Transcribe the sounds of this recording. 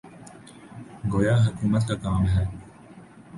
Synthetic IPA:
ɡoːjaːɦɐkuːmət̪kakaːmɦɛː

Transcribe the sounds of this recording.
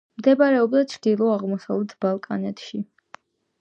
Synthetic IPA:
md̪ɛbaɾɛɔbd̪at͡ʃʰɾd̪ilˠɔaʁmɔsa̰vlɛt̪ʰb̥alˠkʼanɛt̪ʰʃi

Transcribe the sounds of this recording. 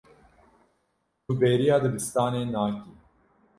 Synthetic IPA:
nuːbeːɾijɑːd̪ɨbɨst̪ɑːneːnaːkiː

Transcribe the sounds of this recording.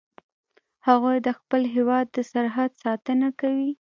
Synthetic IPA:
haɣujd̪əxpəlɦewɑd̪ːəsaɾɦad̪sɑt̪ənakawi

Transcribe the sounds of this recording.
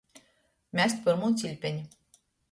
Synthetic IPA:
mʲæsʲt̪̚ʲpəɾmont͡sʲilʲpʲenʲ

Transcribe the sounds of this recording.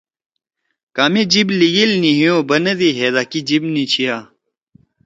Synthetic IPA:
kaːmed͡ʑibliɡilniɦijoːbɐnɐd̪iɦeːd̪aːkid͡ʑibnit͡ɕʰijaː

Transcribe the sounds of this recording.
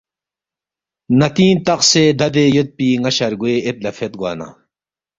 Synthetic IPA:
nɐt̪iːnt̪ɐqseːd̪ɐd̪ejut̪̚piːŋɐɕɐɾɡueʔet̪̚lɐfet̪̚ɡa̰ːna̰

